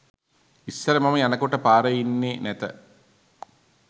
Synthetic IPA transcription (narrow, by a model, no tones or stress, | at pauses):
isːɐɾəmamɐjanɐkoʈəpaːɾəjinːenæt̪ə